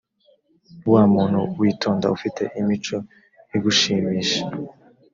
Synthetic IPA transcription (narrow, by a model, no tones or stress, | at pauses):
uwaːmuːn̥hṵwiːtʰoːnda̰ufite̞̰ʔimit͡ʃo̞ | jiɡuʃiːmiːʃḁ